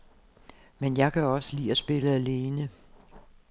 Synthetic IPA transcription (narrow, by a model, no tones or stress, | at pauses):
menjɑ̈ɪkʰæɒ̽səlḭːæsb̥e̝ləæle̝ːnə